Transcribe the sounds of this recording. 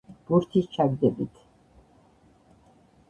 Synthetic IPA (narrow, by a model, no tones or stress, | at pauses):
b̥uɾt̪ʰist͡ʃʰaɡd̪ɛbit̪ʰ